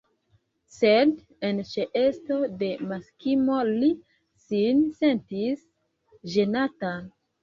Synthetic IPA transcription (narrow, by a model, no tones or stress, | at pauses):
se̞d | ent͡ʃeʔe̞sto̞de̞maskimo̞li | sinse̞ntis | ʒe̞natan